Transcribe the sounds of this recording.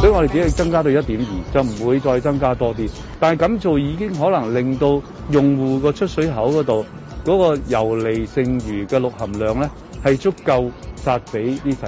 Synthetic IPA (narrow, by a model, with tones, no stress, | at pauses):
sɵ˨˥jŋɔ˨˧de˨jt͡si˨˥hɐ˨˧jt͡sɐ˥ŋkaː˥t̪o˧wjɐ˥t̚t̪iː˨˥mjiː˨˩t͡sɐ˨wm̩˨˩wuː˨˧jt͡sɔː˧jt͡sɐ˥ŋkaː˥t̪ɔː˥t̪iː˥ | t̪aː˨nɐ˨jkɐ˨˥mt͡so˨wjiː˨˧kɪ˥ŋɦɔː˨˥lɐ˨˩ŋlɪ˨ŋt̪o˧w | jʊ˨ŋwuː˨˩kɔː˧t͡ʃʰɵ˥t̚sɵ˨˥ɥɦɐ˨˥wkɔː˨˥t̪o˨w | kɔː˨˥kɔː˧jɐ˨˩wle˨jsɪ˨˧ŋɥyː˨˩kɛː˧lʊ˨k̚hɐ˨˩mlœː˨˩ŋlɛː˥ | hɐ˨jt͡ʃʊ˥kːɐ˧wsaː˧t̚pe˨˥jniː˥sʰɐ˨